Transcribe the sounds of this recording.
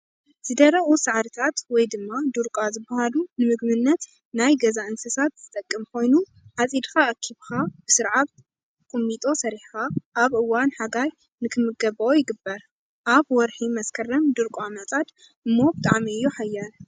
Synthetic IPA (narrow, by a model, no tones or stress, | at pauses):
z̥ɨd̪ɐɾɐʔusaʕɾɨt̪ʰat̪wɔjd̪ɨmːad̪ɨɾkʼazɨbːɐhalunɨmɨɡmɨnːɐt̪ | najɡɐzaʔɨnsɐsat̪z̥ɨt̪ʼɐkʼːɨmkʰo̞jnu | ʕat͡sʼid̪xaʔɐkʰːiβxab̥ɨsɨɾʕat̪ | kʼɨmːit̪ʼo̞sɐɾiħxaʔaβʔɨwːanħaɡaj | nɨkʰɨmɨɡɐbʔojɪɡɨbːɐɾ | ʔaβwɔɾħimɐskʰɐrɐmd̪ɨɾkʼuamɐt͡sʼad̪ | ʔɨmːo̞bɨt̪ʼa̰ʕmiɨjːoħajːan